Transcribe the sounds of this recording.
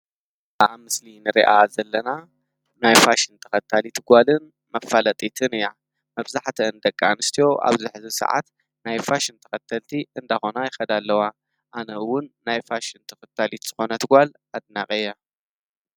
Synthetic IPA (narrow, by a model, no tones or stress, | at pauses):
aβmɨslinɨɾḭʔazɐlːɐna | najfaʃɪnt̪ʰɐ̥xɐt̪ʰːalit̪ʰɨɡʷalɨn | mɐfalɐt̪ʼit̪ʰɨnɨja | mɐβzaħt̪ʰɐɨnd̪ɐkʼːa̰nɨst̪ʰijo̞ʔa̰βzɪħzɨsɐ̰ʕa̰t̪ | najfaʃint̪ʰɐ̥xɐt̪ʰːɐlt̪ʰiɨnd̪axo̞najɪxɐd̪alːɐwa | ʔanɐɨwʊnːajfaʃɪnt̪ʰɐ̥xɐt̪ʰːalit̪z̥ɨxo̞nɐt̪ʰɨɡʷal | ad̪̚nakʼɨjːa